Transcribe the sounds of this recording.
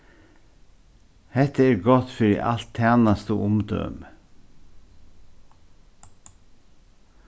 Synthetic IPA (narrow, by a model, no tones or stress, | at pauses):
hɛt̪əeːɾɡɔt̪fœɾḭːʔɑ̰lt̪ʰæːnɑst̪əʔʊmd̪œ̰m